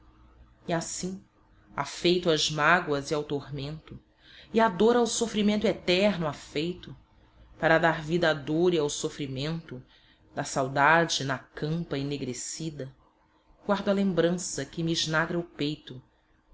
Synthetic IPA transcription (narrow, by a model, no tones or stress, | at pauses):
iasĩ | a̰fejt̪ʊɐzmaɡwɐziawt̪oɾmẽnt̪ʊ | iad̪oɾawsofɾimẽnt̪ʊɛt̪ɛɾnʊafejt̪ʊ | paɾɐd̪aɾvid̪ɐad̪oɾiawsofɾimẽnt̪ʊ | d̪ɐsawd̪ad͡ʒɪnɐkɐ̃mpɐineɡɾesid̪ɐ | ɡwaɾd̪ɐlẽmbɾɐ̃sɐkɪmiːʒnaɡɾɐʊpejt̪ʊ